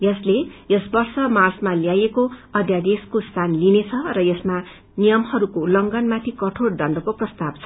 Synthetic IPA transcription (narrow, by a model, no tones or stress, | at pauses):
jʌslejʌsbʌrsʌmarsmaljajekoʌd̪jad̪eskost̪ʰanlinet͡sʰʌrʌjʌsma | nijʌmhʌɾukolʌŋɡʌnmat̪ʰikʌʈʰoɽd̪ʌnd̪ʌkoprʌst̪ab̥̚t͡sʰʌ̥